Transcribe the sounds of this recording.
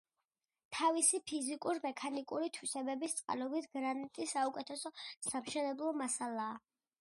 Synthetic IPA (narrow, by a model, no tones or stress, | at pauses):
t̪ʰavisipʰizikʼuɾmɛkʰanikʼuɾit̪ʰwiʃɛbɛbist̪sʼqʼa̰lɔbit̪ʰɡɾanit̪ʼisːaukʼɛt̪ʰɛsɔsamʃɛnɛblˠɔmasalˠaː